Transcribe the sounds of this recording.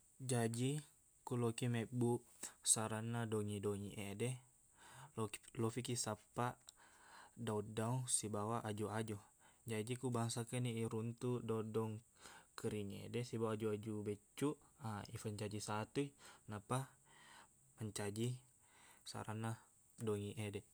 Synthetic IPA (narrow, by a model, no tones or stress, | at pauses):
d͡ʒad͡ʒi | kulɔkimɛbu | saɾanadɔŋidɔŋiʔedɛ | llɔfikisapaʔ | daudausibawaʔad͡ʒuad͡ʒud͡ʒad͡ʒikubaŋsakɛniːɾunt̪udɔudɔŋkəɾiŋḛdɛsibawad͡ʒuad͡ʒubɛt͡ʃːuʔaifəɲt͡ʃad͡ʒisat̪uinapa | məɲt͡ʃad͡ʒi | sa̰ɾana | dɔŋiʔɛdɛ